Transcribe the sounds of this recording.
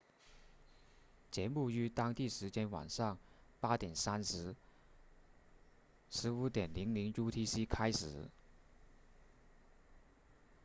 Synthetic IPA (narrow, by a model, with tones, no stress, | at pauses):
t͡ɕjɛ˧˥nu˥˩y˧˥t̪ɑ˥ŋt̪i˥˩ʂɻ̩˧˥t͡ɕjɛ˥nwɑ̰˨˩ŋʂɑ˥˩ŋpa˥t̪jɛ˨˩nsa˥nʂɻ̩˧˥ | ʂɻ̩˧˥u˧˥t̪jɛ˨˩nli˧˥ŋli˧˥ŋju˥t̪ʰi˥si˥kʰa˥ɪʂɻ̩˨˩˦